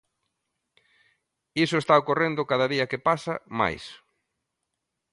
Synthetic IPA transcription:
isʊest̪aokorend̪ʊkaðɐðiɐkepasɐma̰js

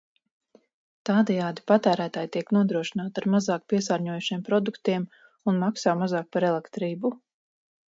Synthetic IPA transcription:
t̪aːd̪ɛjaːd̪ipat̪æːɾæːt̪aːjt̪iɛknuɔd̪ɾuɔʃinaːt̪aɾmazaːk̚piɛsaːɾɲuɔjuʃiɛmpɾɔd̪ukt̪iɛm | unmaksaːmazaːk̚paɾɛlˠɛkt̪ɾiːbu

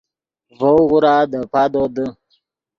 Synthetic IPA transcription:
vəwɣʊɾadəpadodə

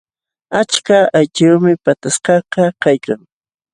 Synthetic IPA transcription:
at͡ʃkaajt͡ʃawmɪpat̪asqɑqɑkajkaŋ

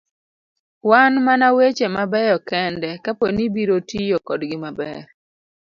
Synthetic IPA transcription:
wanmanawet͡ʃemabɛjɔkɛndɛkaponibiɾotijokɔdɡɪmabɛ̰ɾ

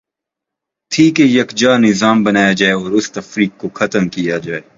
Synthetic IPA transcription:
t̪ʰiːkejɐkd͡ʒaːnɪzaːmbɐnaːjad͡ʒaːeɔːɾʊst̪ɐfɾiːk̚koxɐt̪əmkijad͡ʒaːeː

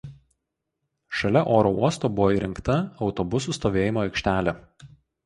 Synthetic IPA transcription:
ʃɐlʲɛʔoːɾouɔst̪oːbʊʋoiːɾʲɪŋkt̪ɐɒʊt̪ɔbʊsuːˑst̪oːʋʲeːjɪmoːɛɪkʃʲt̪ʲæːlʲe

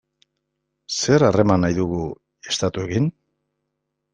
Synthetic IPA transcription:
se̞ɾare̞manajðuɣu | e̞st̪at̪ue̞ɣin

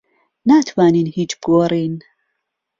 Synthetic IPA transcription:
nat̪ʰwaːniːnhiːt͡ʃbɡoːriːn

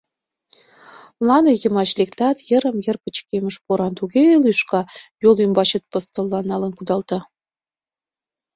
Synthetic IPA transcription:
lˠɑnɤ̆jə̆mɑt͡ɕlek̚t̪ɑt̪jə̆ɾə̆mjə̆rpə̆t͡ɕkemə̆ʃpoɾɑnt̪uɣelyʃkɑjolymbɑɕə̆t̪̚pɤ̆st̪ə̆lːɑnɑlə̆nkud̪ɑlt̪ɑ

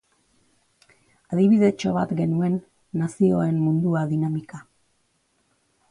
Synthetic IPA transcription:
aðiβiðe̞t͡ʃo̞βa̰t̪ɡe̞nue̞nː | asio̞e̞nmund̪uaðinamika

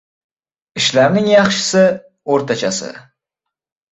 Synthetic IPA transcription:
ɪʃlaɾnɪŋjɑχʃɪ̥sɪ | oɾt̪ʰat͡ʃʰasɪ̰

